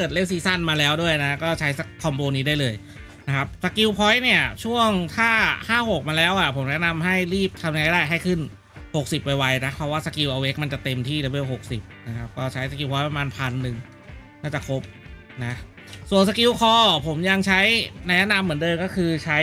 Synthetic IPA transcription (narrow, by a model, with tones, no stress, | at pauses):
kɤː˨˩t̪̚le˥˩w̚siː˧˥sa˥˩nmaː˧lɛː˦˥wdu˥˩əjna˦˥kɔː˥˩t͡ɕʰa˦˥jsa˨˦˩kʰːɔ˧mboː˧niː˦˥daː˥˩jlɤː˧j | na˦˥kʰa˦˥p̚sa˧ki˧wpʰɔ˦˥jni˥˩ɐt͡ɕʰu˥˩əŋt̪ʰaː˥˩haː˥˩ho˨˩k̚maː˧lɛː˦˥wʔa˨˩pʰo˩˦mnɛ˦˥ʔna˧mɦa˥˩jɾiː˥˩p̚t̪ʰa˧mja˧ŋa˧˦˥jdaː˥˩jɦa˥˩jkʰɯ˥˩n | ho˨˩k̚si˨˩p̚wa˧jwa˧˥jna˦˥pʰɾɔ˦˥waː˥˩sa˧ki˧wʔa˧we˦˥k̚ma˧nt͡ɕa˨˩t̪e˧mt̪ʰiː˥˩le˧˦be˥˩who˨˩k̚si˨˩p̚na˦˥kʰa˦˥p̚kɔː˥˩t͡ɕʰa˦˥jsa˧k̬i˧wpʰɔ˦jpɾa˧maː˧npʰa˧nːɯ˨˩ŋ | naː˥˩t͡ɕa˨˩kʰo˦˥p̚ | na˦˥ | su˨˩əns̬a˧ki˧wkʰɔː˧˩pʰo˩˦mja˧ŋt͡ɕʰa˦˥jna˧jna˦˥na˧mːɯ˩˦əndɤː˧mkɔː˥˩kʰɯː˧t͡ɕʰa˦˥